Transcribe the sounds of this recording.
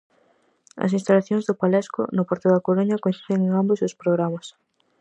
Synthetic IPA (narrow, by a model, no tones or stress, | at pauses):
ɐ̰sĩnst̪alaθjoŋzðʊpalɛskʊ̰nʊpɔɾt̪ʊðɐkoɾuɲɐkonsi̥sðeŋeŋambosʊspɾoɣɾamas